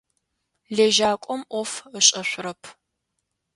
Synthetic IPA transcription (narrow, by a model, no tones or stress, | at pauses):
leːʒaːkʷʼɔmʔʷɔfəɕʼɐɕʷʊɾɐpʰ